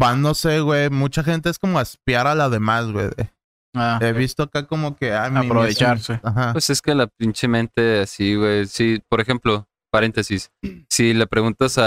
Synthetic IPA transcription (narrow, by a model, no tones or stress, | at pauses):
bano̞seɣwejmut͡ʃaxe̞nt̪e̞esko̞mo̞espjaɾalaðe̞mazɣwḛðḛ | aeβist̪oakako̞mo̞ke̞ajmaiɾoβet͡ʃaɾseaxapweseskelapint͡ʃemẽnt̪easiɣwejsipoɾexe̞mplo | paɾe̞nt̪esisːilapɾeɣunt̪asa